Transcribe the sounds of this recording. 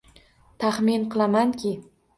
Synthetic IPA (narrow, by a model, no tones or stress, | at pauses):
t̪ʰaχminqʰɨlˠamaŋkʲʰɪ